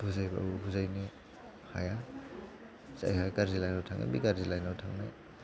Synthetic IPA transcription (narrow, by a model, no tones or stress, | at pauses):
buzajba̰buzajni | ha̰ja | sa̰jhajkaɾzilajnawtʰaŋna̰bḭkaɾzilajnawtʰaŋnaj